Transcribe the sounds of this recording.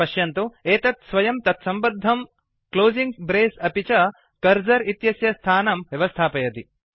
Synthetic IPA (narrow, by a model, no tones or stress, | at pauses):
ɐʃjɐnt̪ueːt̪ɐt̪sʋɐjɐmt̪ɐt̪sɐmbɐd̪ʱːɐm | kloːziŋɡbɾeːsɐpit͡ʃɐ | kɐɾd͡ʒɐɾit̪jɐsjɐst̪ʰaːnɐmʋjɐʋɐst̪ʰaːpɐjɐt̪i